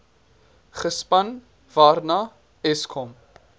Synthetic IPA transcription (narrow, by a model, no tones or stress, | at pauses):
χəspɐn | vaːɾna | ɛskʰɔm